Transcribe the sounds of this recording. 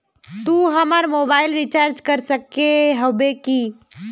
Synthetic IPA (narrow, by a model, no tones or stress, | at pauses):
t̪uːɦɐmaɾmoːbaːɪlɾit͡ʃaːɾd͡ʒkəɾsəkːeɦobeki